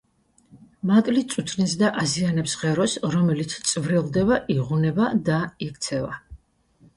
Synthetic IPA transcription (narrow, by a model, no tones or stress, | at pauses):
mat̪ʼlit̪sʼut̪ʰnis̬d̪aʔazianɛpsʁɛɾɔsɾɔmɛlit̪sʰt̪sʼvɾilˠd̪ɛbaʔiʁunɛbad̪aikʰt̪sʰɛva